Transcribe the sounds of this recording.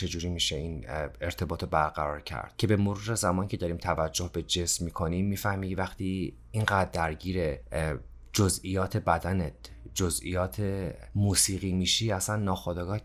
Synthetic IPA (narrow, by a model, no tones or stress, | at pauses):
t͡ʃʰe̞d͡ʒuːɾiːmiːʃeiːne̞ɾt̪ʰe̞bɒːt̪ʰobæɾɡæɾɒːɾcʰæ̰ɾd̪̥cʰe̞be̞moɾuːɾezæmɒːnicʰe̞d̪ɒːɾiːmt̪ʰævæd͡ʒːohbe̞d͡ʒe̞smmiːkʰo̞nimːiːfæhmiːkevæxt̪ʰiː | inɢæːd̪̚dːæɾɟiːɾe | d͡ʒozʔijɒːt̪ʰebæd̪ænet̪d͡ʒozḭjɒːt̪ʰe | muːsiːɣiːmiːʃiːæsænːɒːxod̪ɒːɡɒːh